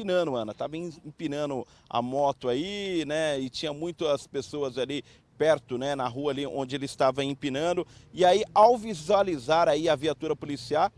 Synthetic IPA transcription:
inɐ̃d̪ʊɐ̃nɐt̪avɐĩĩpĩnɐ̃d̪ʊ | a̰mɔt̪ʊainɛɪt͡ʃĩɲɐmũj̃t̪ʊɐspesoɐzali | pɛɾt̪ʊnɛnɐɦuɐaːliʔõ̰nd͡ʒɪelɪɪst̪avɐẽpinɐ̃d̪ʊɪaiawvizualizaɾaiɐviat̪uɾɐpolisiaw

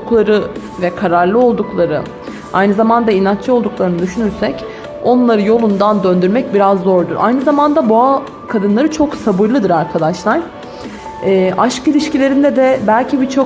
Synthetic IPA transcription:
klˠaɾɯ | vɛkʰaɾaɾlˠɯo̞lˠd̪uklˠaɾɯ | a̰jnɯzamand̪ainant͡ʃt͡ʃʰɯo̞lˠd̪uklˠaɾɯnɯd̪yʃynyɾsɛc | o̞nlˠaɾɯjo̞lˠund̪and̪ø̞nd̪yɾmɛc̚biɾazːo̞ɾd̪uɾʔa̰jnɯzamand̪aboa | kʰad̪ɯnlˠaɾɯt͡ʃʰo̞ksabɯɾlˠɯd̪ɯɾaɾkʰad̪aʃlˠaɾ̥ | ɛːʔaʃkilʲiʃcilʲe̞ɾind̪ɛd̪ɛbælʲcʰibit͡ʃʰo̞

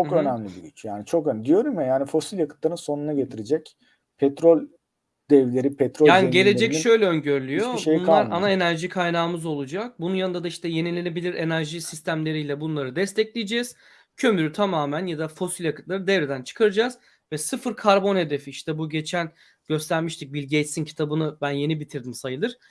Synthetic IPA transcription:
t͡ʃʰokø̞næmlʲibiɡyt͡ʃjaːnit͡ʃʰo̞kønd̪ijo̞ɾummɛjaːnifo̞silʲjakɯt̪lˠaɾɯnso̞nunaɟet̪ʰiɾed͡ʒɛc | pʰɛt̪ɾo̞lʲ | d̪̥ɛvlʲe̞ɾipʰɛt̪ɾojʲaːniɟe̞lʲe̞d͡ʒɛcʃʃø̞jlʲɛøɲɟøɾlʲyjjo̞ʃeujnlˠaɾanae̞næɾʒikʰajnaːmɯzo̞lˠud͡ʒak̚bununjanɯnd̪ad̪aiʃt̪ʰɛje̞nilʲenebilʲiɾʔe̞næɾʒisist̪ʰæmlʲe̞ɾijlʲɛbunlˠaɾɯd̪ɛst̪ʰɛclʲijed͡ʒɛz̥ | cʰø̞myɾyt̪ʰamaːmænjad̪afo̞silʲjakɯ̥t̪lˠaɾɯd̪ɛvɾed̪ænt͡ʃʰɯ̥kʰaɾɯd͡ʒaːz̥ | vɛsɯfɯɾkʰaɾbo̞nhe̞d̪e̞fiiʃt̪ʰɛbuɟe̞t͡ʃʰæn | ɟ̥ø̞st̪ʰæɾmiʃt̪ʰic̚bilʲɟej̪sincʰi̥t̪ʰabɯnɯbænje̞nibit̪ʰiɾd̪imsajɯlˠɯɾ̥

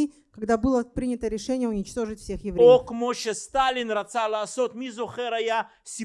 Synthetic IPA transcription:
i | kɐɡd̪abɨlˠəpɾʲinʲɪt̪əɾʲɪʂɛnʲɪjəʊnʲɪt͡ɕt̪o̞ʐɨtʲfsʲe̞xjɪvɾeokmoʂɛst̪alʲɪnrɐt̪salˠaːso̞t̪mʲizoχɛɾaja | sʲi

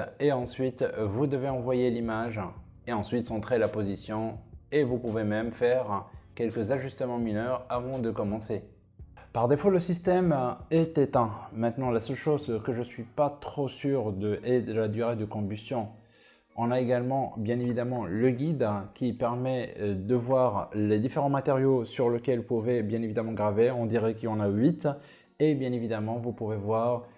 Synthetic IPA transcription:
eɑ̃sɥit̪vud̪əveɑ̃vwajelimaʒ | eɑ̃sɥit̪sɑ̃t̪χelapozisjɔ̃evupuvemɛmfɛʁkʲɛlkəzaʒyst̪əmɑ̃minœʁavɑ̃d̪əkɔmɑ̃se | paʁd̪efoləsist̪ɛmɛt̪et̪ɛ̃mɛ̃t̪nɑ̃lasœlʃozkəʒəsɥipat̪χosyʁd̪əʔed̪əlad̪yʁed̪əkɔ̃byst̪jɔ̃ | ɔ̃naeɡalmɑ̃bjɛ̃nevid̪amɑ̃ləɡʲid̪kʲipɛʁmɛd̪əvwaʁled̪ifeʁɑ̃mat̪eʁjosyʁləkʲɛlpuvɛbjɛ̃nevid̪amɑ̃ɡʁaveɔ̃d̪iʁɛkəlɔ̃naɥit̪ | ebjɛ̃nevid̪amɑ̃vupuvevwaʁ

